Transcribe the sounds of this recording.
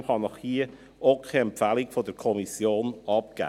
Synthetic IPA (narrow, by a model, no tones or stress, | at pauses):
χɑnɔχhiːə | ʔoʊkχɛɛmpfælikfodəɾkʰɔmisjoːnɑp̚ɡ̥æ̰ː